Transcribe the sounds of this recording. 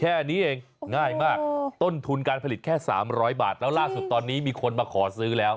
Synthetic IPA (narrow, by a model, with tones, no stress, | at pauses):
kʰɛː˥˩ʔniː˦˥ʔeː˧ŋ | ŋaː˥˩jmaː˥˩k̚t̪o˥˩nt̪ʰu˧nkaː˧npʰa˧li˨˩t̪̚kʰɛː˥˩sa̰ː˩˦mɾɔː˦˥jba̰ː˨˩t̪̚lɛː˦˥wlaː˥˩su˨˩t̪ːɔː˧nːiː˦˥miː˧kʰo˧nmaː˧kʰɔː˩˦sɯː˦˥lɛː˦˥w